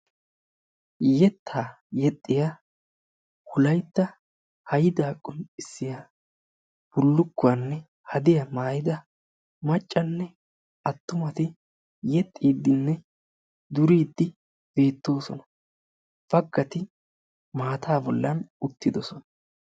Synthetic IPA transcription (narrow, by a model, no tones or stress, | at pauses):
jɛt̪ʰːaː | jɛt̪ʼːɪja | hʊlɐjt̪ːɐ | hɐjɪd̪aːkʼʊnɪsːɪja | b̥ʊlːʊkːʊwɐnːɛ | hɐd̪ɪjɐmaːjɪd̪ɐ | mɐt͡ʃʼːɐnːɛ | ɐt̪ːʊmɐt̪ɪ | jɛt̪ʼːiːd̪ːɪnːɛ | d̪ʊɾiːd̪ːɪ | b̥e̞ːt̪ːo̞ːsɔnɐ | b̥ɐɡːɐt̪ɪ | maːt̪ʰaːbɔlːɐnʊt̪ːɪd̪ɔsɔnɐ